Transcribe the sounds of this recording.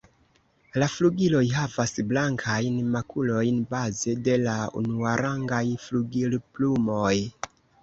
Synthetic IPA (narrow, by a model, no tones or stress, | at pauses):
lafluɡilo̞jɦavasblaŋkʰajnmakʰulo̞jnbaze̞de̞laṵnuaɾaŋɡajfluɡilplumo̞j